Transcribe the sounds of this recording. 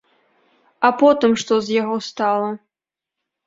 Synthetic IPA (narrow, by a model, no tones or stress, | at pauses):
apɔt̪ɨmʂt̪ɔzʲjaɣɔst̪alˠɐ